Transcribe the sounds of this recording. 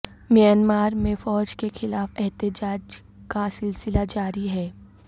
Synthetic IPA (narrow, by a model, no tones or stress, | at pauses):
mijənmaːɾmẽfɔːd͡ʒkexɪlaːfɛɦt̪ɪd͡ʒaːd͡ʒ | kasɪlsɪlad͡ʒaːɾiɦɛː